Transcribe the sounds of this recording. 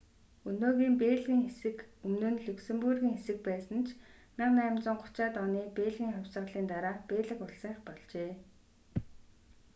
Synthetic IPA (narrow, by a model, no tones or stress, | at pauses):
ɵnoːɣiːmpeːɮɣiːŋxesɘ̆kɵmnɵ̆nɮɵksɘ̆mpurɣʲiːŋxesɘ̆k̚pæːsə̆nt͡ɕʰnɪ̆qnæːmt͡sɞ̆ɴχʊ̥t͡ɕaːt̪ɔniːpeːɮɣiːŋχɔwʲsə̆ɮiːnt̪aɾaːpeːɮɘ̆kʊɬsə̆ŋχpɔɮt͡ɕeː